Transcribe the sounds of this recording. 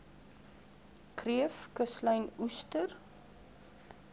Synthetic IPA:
kriəfkəsləjnustər

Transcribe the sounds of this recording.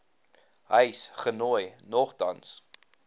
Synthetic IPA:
ɦəjsχənojnɔχtɐ̰ns

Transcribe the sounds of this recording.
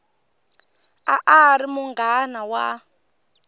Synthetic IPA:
a̰ʔaɾimuŋɡanawa

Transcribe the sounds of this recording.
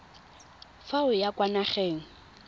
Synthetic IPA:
faʊjakʼwanaχeːŋ̩

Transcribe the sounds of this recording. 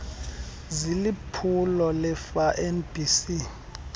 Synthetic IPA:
zilipʰulɔlɛfaʔɛnbisi

